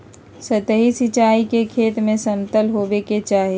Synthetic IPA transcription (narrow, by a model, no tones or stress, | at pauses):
sət̪əɦisit͡ʃaːikekʰeːt̪mẽsɐmt̪əlɦoːʋeket͡ʃaːɦe